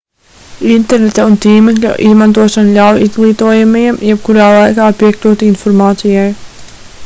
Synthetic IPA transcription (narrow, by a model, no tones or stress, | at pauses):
int̪ɛɾnet̪aunt̪iːmɛkʎʲṵʔizmant̪uɔʃanʎʲawjizɡlˠiːt̪uɔjamajɛmjɛb̚kuɾaːlˠajkaːpiɛklʲuːt̪infɔɾmaːt̪sijaj